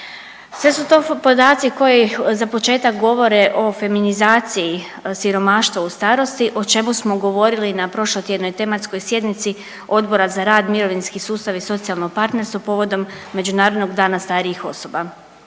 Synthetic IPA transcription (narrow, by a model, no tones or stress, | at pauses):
sʋe̞sut̪o̞ːpo̞d̪aːt̪siko̞jizapo̞t͡ʃe̞ːt̪ak̚ɡo̞ʋo̞ɾeʔo̞fe̞minizaːt̪siji | siɾo̞maːʃt̪ʋaust̪aːɾo̞st̪iʔo̞t͡ʃe̞musmoɡo̞ʋo̞ɾilinapɾo̞ʃlˠot̪ʲje̞d̪no̞jt̪e̞mat̪skojsje̞d̪nit̪si | o̞d̪bo̞ɾazaɾaːd̪miɾo̞ʋinskisuːst̪aʋiso̞t̪sialˠnoɡpaɾt̪ne̞ɾst̪ʋoapo̞ːʋo̞d̪o̞mːe̞d͡ʒunaːɾod̪no̞ɡd̪aːnast̪aːɾiixo̞̰so̞ba